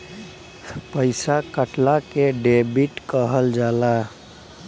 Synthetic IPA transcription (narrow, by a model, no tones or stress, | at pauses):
pəɪsakəʈlakeɖebiʈkəɦəld͡ʒala